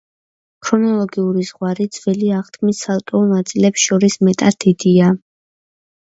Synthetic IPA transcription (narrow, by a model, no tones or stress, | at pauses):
kʰɾɔnɔlˠɔɡiuɾizʁwaɾid̪zvɛliaʁt̪ʰkʰmisːalˠt̪ʼɔunat̪sʼilɛpsʃɔɾismɛt̪ʼad̪id̪̥ia